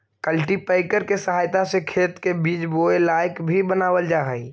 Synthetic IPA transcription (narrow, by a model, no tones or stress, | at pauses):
kəlʈipəɪkəɾkesəɦaːjt̪asekʰeːt̪kebiːt͡ʃboelaːjkbʱibənaːwəld͡ʒaːɦɛi